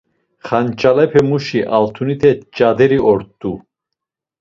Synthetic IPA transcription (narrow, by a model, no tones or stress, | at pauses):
χant͡ʃʼalɛpʰɛmuʃiʔalt̪ʰunit̪ʰɛt͡ʃʼad̪ɛɾiɔɾt̪ːu